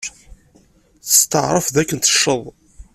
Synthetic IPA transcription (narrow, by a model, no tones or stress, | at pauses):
θə̥st̪əʕɾˤəfðækːənt̪ə̥ʃːəðˤ